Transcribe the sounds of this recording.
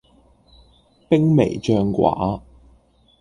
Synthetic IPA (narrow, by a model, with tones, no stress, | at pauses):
pɪ˥ŋme˨˩jt͡ʃœː˧ŋkwa̰ː˨˥˦